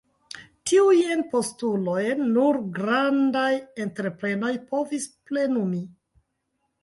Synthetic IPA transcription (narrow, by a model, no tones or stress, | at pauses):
tiujenpo̞stulo̞jenːuɾɡɾandaje̞nteɾepɾe̞no̞jpo̞visple̞numi